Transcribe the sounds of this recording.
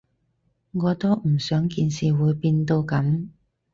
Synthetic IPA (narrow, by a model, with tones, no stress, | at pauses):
ŋɔː˨˧t̪o˥m̩˨˩sœː˨˥ŋkiː˧nsiː˨˩wuː˨˧˥jpiː˧nt̪o˧wkɐ˨˥m